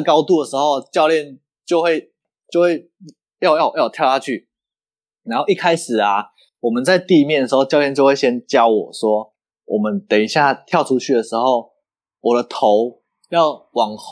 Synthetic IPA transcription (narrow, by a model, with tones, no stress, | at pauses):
kɑ˥˦ʊt̪u˥˩d̪ə˩ʂɻ̩˧˦xo˥˧ʊt͡ɕjɑ˥˧ʊljɛ˥˨n | t͡ɕjo˥˧ʊxwe˥˧ɪ | t͡ɕjo˥˧ʊxwe˥˩ɪ | jɑ˥˧ʊjɑ˥ʊjɑ˥˩ʊt̪jʊt̪ʰa˥t͡ɕʰy˥˩ | na˧˥nxo˥˧ʊi˥˩kʰa˦ɪʂɻ̩˨˩la˨ | wɔ˨˩mə˨˦nt͡sa˥˧ɪt̪i˥˧mjnd̪ə˩ʂɻ̩˧˥xo˥˧ʊt͡ɕɑ˥˧ʊljɛ˥˧nt͡ɕjo˥˧ʊwe˥˩ɪɕjɛ˦nt͡ɕjɑ˦ʊwɔ˨˩swɔ˦˥ | wʔɔ˨˩mə˨˦nt̪e˨˩i˧˦ɕja˥˩t̪ʰjɑ˥˧ʊʈ͡ʂʰu˦˥t͡ɕʰy˥˩d̪ə˩ʂɻ̩˧˥˦xo˥˩ʊ | wɔ˨˩də˦t̪ʰo˨˦ʊ | jɑ˥˩ʊwɑ˨˩ŋ